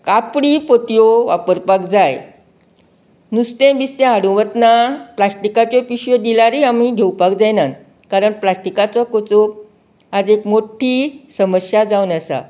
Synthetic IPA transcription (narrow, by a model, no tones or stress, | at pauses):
kapɽipot̪ijoʋapəɾpakd͡zaj | nust̪ẽbist̪ẽɦaɽũʋət̪naplasʈikat͡ɕɔpiɕjod̪ilaɾiamiɡʱewpakd͡zajnan | kaɾəɳplasʈikat͡sɔkot͡sop̚ | ad͡zekmoʈʰiːsəməɕjad͡zawnəsa̰